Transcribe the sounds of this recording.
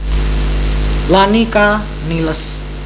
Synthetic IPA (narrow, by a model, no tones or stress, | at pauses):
lanika | niləs